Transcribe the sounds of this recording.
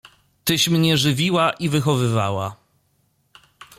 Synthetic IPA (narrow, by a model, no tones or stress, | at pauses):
t̪ɘɕmɲɛʐɘvʲiwaʔivɘxɔvɘvawa